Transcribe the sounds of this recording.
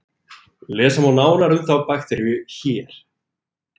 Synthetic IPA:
lɛːsamawnaːwnaɾʏmθawpaxt̪ɛɾjʏçɛːɾ̥

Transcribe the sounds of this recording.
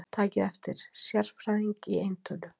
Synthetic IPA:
t̪ʰaːcɪðɛft̪ɪɾ̥sjaɾfɾajðiŋciejnt̪ʰœlʏ

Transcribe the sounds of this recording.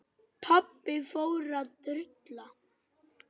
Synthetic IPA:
pʰapːɪfoːwɾat̪ʏɾt̪la

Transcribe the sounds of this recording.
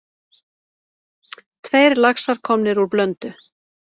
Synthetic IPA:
t̪ʰvejɾlaxsaɾ̥kʰɔmnɪɾuɾplœnt̪ʏ

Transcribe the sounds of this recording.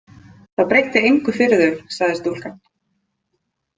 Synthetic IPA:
θaðpɾejt̪ɪejŋkʏfɪɾɪðʏ̥saɣðɪst̪ul̥kan

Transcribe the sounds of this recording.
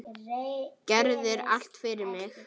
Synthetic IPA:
cɛɾðɪɾa̰l̥t̪fɪɾɪɾmɪx

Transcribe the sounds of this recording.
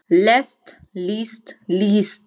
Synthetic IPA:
lɛsʈ | liːsʈliːst

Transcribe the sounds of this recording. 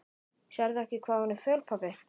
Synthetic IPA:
ɕɛɾðʏɛhcɪkʰv̥aːhɔnːɪfœːlpʰapɪ

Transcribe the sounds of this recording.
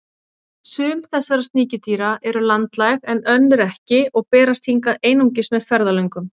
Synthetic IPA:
sʏːmθɛsːaɾast̪niːcɪt̪iːɾaʔɛɾʏlant̪lajɣɛnœnːʏɾɛhcɪɔɣpɛːɾast̪ʰiŋkaðeːjnuŋcɪsmɛðfɛɾðalœɥŋkʏm

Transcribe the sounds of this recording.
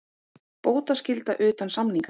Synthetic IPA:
poːwt̪ascɪlt̪aʔʏːt̪ansamniŋka

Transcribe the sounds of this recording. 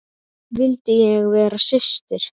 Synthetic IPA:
vɪlt̪ɪjɛɣvɛːɾasɪst̪ɪɾ̥

